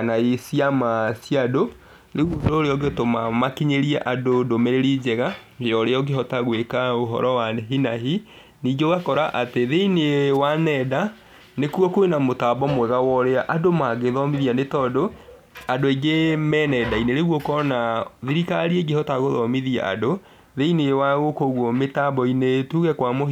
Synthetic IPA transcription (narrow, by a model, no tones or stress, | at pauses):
anaesiamasjado | neɣoɾoɾeɔɡetomamakiɲeɾiɛʔadodomeɾeɾid͡ʑɛɣaɔɾeɔɡeɦɔtaɣwekaoɦɔ̰ɾɔwaneɦinaɦi | niɡoɣakɔɾaʔateðeinewanɛda | nekwɔkoenamotabɔmwɛɣawɔɾeaʔadomaɡeðɔmiðianetɔdo | adoeɡemɛnɛdaineɾeɣwɔkɔnaðiɾikaɾieɡehɔtaɣoðɔmiðia̰a̰do | ðeineewaɣokoɣwɔmetabɔinetuɣɛkwamo